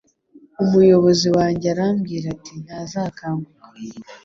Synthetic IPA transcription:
umujo̞βo̞ziwaːɲɟeaɾamɡiːɾatin̥hazaːkaːmbukḁ

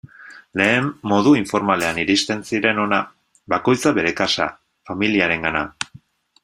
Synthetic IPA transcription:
le̞ːmːo̞ðuiɱfo̞ɾmale̞aniɾist̪e̞nsiɾe̞no̞na | βako̞jt͡saβe̞ɾe̞kasa̰ | familiaɾe̞ŋɡana̰

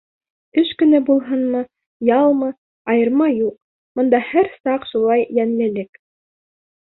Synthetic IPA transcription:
ɵʃkɵ̆næbulˠɦɤnmɤ | jɑlˠmɤ | ɑjɤ̆ɾmɑjuq̚ | mɤ̆nd̪ɑhæɾsɑqʃulˠɑjjænlɘ̆lɘk

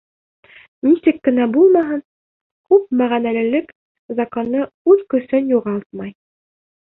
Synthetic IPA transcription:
nisɘkːɘ̆næbulˠmɑɦɤn | kʉp̚mæʁænælɘ̆lɘk | zɑkonːɤ | ʉðkɵ̆sɘnjuʁɑlˠt̪̚mɑj

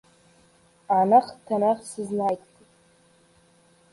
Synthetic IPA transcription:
anaχtʰanaχsɨznajtʼkʼitʼ

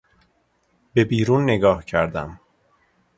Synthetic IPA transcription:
be̞biːɾuːnːe̞ɡɒːhcʰæɾd̪æ̰m

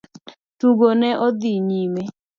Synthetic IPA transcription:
tuɡonɛʔod̪iɲime

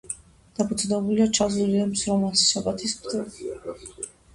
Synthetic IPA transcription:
d̪̥apʰut̪sʰʼd̪ɛbuliat͡ʃʰazuliamsɾɔmasi̥ʃabat̪ʰismd̪ɛ

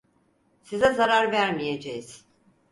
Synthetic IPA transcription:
sizɛzaɾaɾvæɾmije̞d͡ʒejiz̥

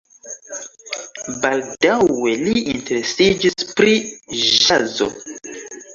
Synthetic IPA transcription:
baldawe̞liinte̞ɾe̞sid͡ʒispɾiʒazo̞̰

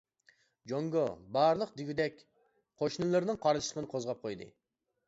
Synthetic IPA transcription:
d͡ʒoŋɡobɑɾlˠəqd̪ɪɡʲyd̪ɛkʲ | qʰoʃnɨlˠɨɾnɨŋqʰɑɾʃlə̥qʰənɨqʰozʁɑp̚qʰojd̪ɨ̰

